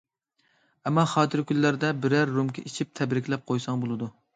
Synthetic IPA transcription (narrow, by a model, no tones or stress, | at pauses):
ɛmːɑχɑːt̪ʰɨɾkʲʰylːæɾd̪ɛbɪɾæɾːumkʰʲɛit͡ʃʰip̚t̪ʰɛbɾɪkʲlɛp̚qʰojsɑŋbolˠɨd̪u